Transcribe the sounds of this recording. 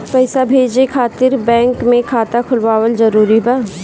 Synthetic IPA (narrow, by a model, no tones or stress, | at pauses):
pɛːsabʱeːd͡ʒekʰaːt̪ɪɾbɛ̃ːŋkmẽkʰaːt̪akʰʊlʋaːwəlzɐɾuːɾiba